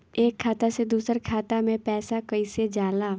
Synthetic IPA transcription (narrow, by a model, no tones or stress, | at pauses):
eːkʰːaːt̪ased̪uːsəɾkʰaːt̪amẽpɛːsakəised͡ʒaːlaː